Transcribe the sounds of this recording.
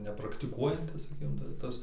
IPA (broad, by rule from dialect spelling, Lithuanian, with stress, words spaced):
nʲɛprɐktʲɪˈkuɔjɛnʲtʲɪs sɐˈkʲiːkʲɪm tɐ ˈtɐs